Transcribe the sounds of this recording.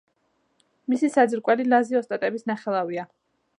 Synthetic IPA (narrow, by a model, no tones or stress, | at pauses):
misisad̪zɾkʼwɛlilaziɔst̪ʼat̪ʼɛbisnaχɛlˠavia